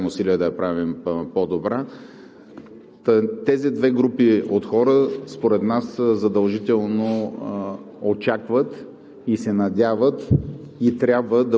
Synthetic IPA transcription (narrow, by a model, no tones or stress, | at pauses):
mʊsiliɛd̪ɐjɐpɾavimpod̪obɾa | t̪t̪ɛzid̪vɛɡɾupiot̪xɔɾəspoɾɛt̪naszɐd̪ɐlˠʒit̪ɛlˠno | ot͡ʃakvət̪ | isɛnɐd̪ʲavət̪ | it̪ɾʲjabvəd̪ɐ